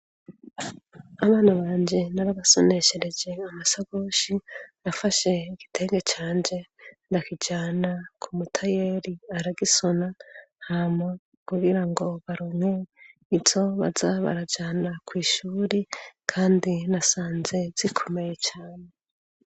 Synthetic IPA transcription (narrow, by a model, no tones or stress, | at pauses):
aβaːnaβaːɲd͡ʒenaɾaβaso̞ne̞ʃeɾe̞d͡ʒe̞amasaɡoːʃinafaʃe̞iɡ̥i̥tʰe̞ːŋɡet͡ʃaːɲd͡ʒe̞ndakid͡ʒaːnakʰumutʰaje̞ɾiaɾaɡiso̞nahamŋa | kuɡiɾaŋɡo̞βaɾoːmweizo̞βa̰zaβa̰ɾad͡ʒaːnakwiːʃuːɾikʰaːndinasaːnze̞z̥ikʰome̞je̞t͡ʃaːne̞